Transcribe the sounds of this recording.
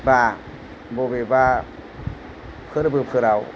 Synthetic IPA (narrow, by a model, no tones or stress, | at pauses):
baː | bobeba | pʰɯɾabɯpʰɯɾaw